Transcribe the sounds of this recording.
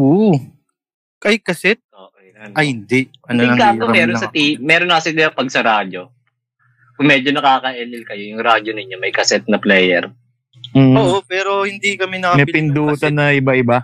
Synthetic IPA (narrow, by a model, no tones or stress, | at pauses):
ʔo | kɐɪkɐsɛt̪̚o | ʔɐhɪnd̪ɛʔʔɐnnɐkakoɐmɛːɾonsɐt̪iːɛːɾonːɐkɐsɪd̪jɐpɐɡ̚sɐɾaːd͡ʒo̞ | kʊŋmɛːd͡ʒonɐkaːkɐʔɛlɪlkɐjojʊŋɾaːd͡ʒonɪɲːomɐjkɐsɛt̪̚nɐplɛːjɛ̰ɾ | m̩ːoːʔopɛːɾo̞hɪnd̪ikɐmɛnɐkːmɛpɪnd̪uːt̪ɐnɐʔɪbaʔɪba